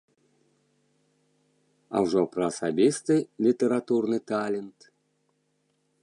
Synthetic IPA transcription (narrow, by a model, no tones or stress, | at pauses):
a̰wʐɔpɾɐːsabʲist̪ɨlʲit̪ʲəɾat̪urnɨt̪alʲɪnt̪